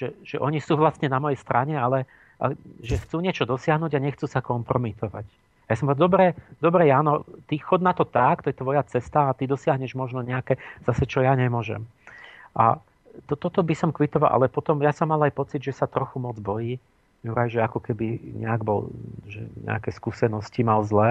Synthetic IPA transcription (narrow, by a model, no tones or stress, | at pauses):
ʒɛʒ̥ɛʔɔɲisuːʋlast̪ɲɛnamɔjɛjst̪ɾʔaɲɛalɛ | ʔaʒɛxt͡suːɲɪɛt͡ʃɔd̪ɔsɪaɦnuːɟaɲɛxt͡suːsakɔmpɾɔmit̪ɔʋa̰c | ajasɔmpɔad̪ɔbɾɛd̪ɔbɾɛjaːnɔt̪ixɔd̪nat̪ɔt̪akt̪ɔjɛt̪ʋɔjat͡sɛst̪aːt̪id̪ɔsɪaɦɲɛʒmɔʒnɔɲɛakɛz̥asɛt͡ʃɔjaɲɛmʊɔʒɛ̰m | ʔa̰ | t̪ɔt̪ɔt̪ɔbisɔmkʋit̪ɔʋalˠʔa̰lɛpɔt̪ɔmjasɔmːalajpɔt͡sid̪ʒɛsat̪ɾɔxumɔd͡zbɔjiː | juɾajʒɛakɔkɛbiɲɛ̰aɡbɔ̰lʒɛ̰ɲɛ̰a̰kɛskusɛnɔscimalzlɛː